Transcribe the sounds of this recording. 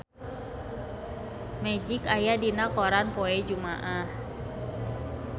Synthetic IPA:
mɛd͡ʒikajadinakɔɾanpɔɛd͡ʒumaʔah

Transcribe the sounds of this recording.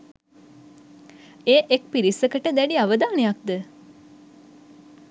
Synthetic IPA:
eːʔek̚piɾisːəkəʈəd̪æɖiaʋəd̪aːnəjak̚d̪ə

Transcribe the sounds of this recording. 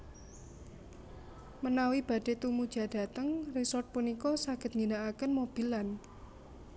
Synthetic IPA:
mənawib̥ä̤d̥e̤t̪umud̥ʒ̥ä̤d̥a̤t̪əŋrisɔrt̪̚punikɔsaɡ̥ə̤t̪̚ŋinaʔakənmob̥i̤lan

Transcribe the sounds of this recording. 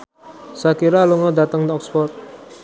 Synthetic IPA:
sakiɾaluŋɔdat̪əŋd̪ɔksfɔrt̪̚

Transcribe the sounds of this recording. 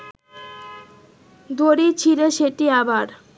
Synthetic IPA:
d̪oɾit͡ɕʰiɾeʃeʈiabaɾ

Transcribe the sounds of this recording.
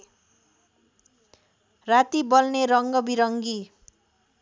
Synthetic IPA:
rat̪ibʌlneɾʌŋɡʌbiɾʌŋɡi

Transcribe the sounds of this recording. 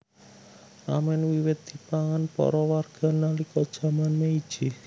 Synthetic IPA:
ʔa̰mɛnwiwɪt̪̚d̪̥i̤paŋanpɔ̰ɾɔwarɡ̥a̤nalikɔd̥ʒ̥ä̤manmeid̥ʒ̥i

